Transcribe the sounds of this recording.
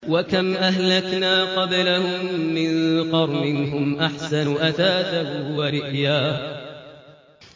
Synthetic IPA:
wakamʔahlaknaːqɑblahʊmːɪnqɑɾˤmɪnɦʊmʔaħsanʔaθaːt̪ahwaɾɪʔjaːh

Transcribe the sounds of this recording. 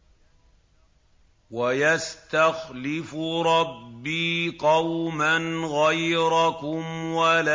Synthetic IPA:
wajast̪axlɪfɾˤɑbːiːqɑwmanɣajɾakʊmwala

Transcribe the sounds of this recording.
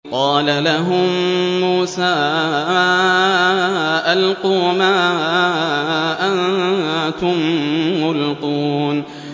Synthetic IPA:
qɑːlalaɦʊmːuːsaː | ʔalquːmaː | ʔan | t̪ʊmːʊlquːn

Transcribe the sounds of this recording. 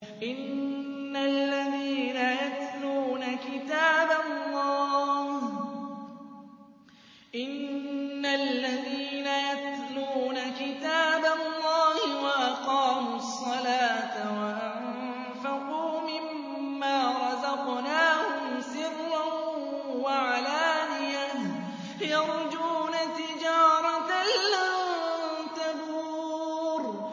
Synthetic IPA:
ʔɪnː | alːaðiːnajat̪luːnakɪt̪aːballːɑːh | ʔɪnːalːaðiːnajat̪luːnakɪt̪aːbalˤːɑːhɪwaʔɑqɑːmuɑsˤːɑlaːt̪awaʔaʕ | m | faquːmɪmː | aːɾˤɑzɑqnaːhʊmsɪrːa | waʕalaːnɪja | jɑɾˤd͡ʒuːnat̪ɪd͡ʒaːɾˤɑt̪alːa | t̪abu | ɾ

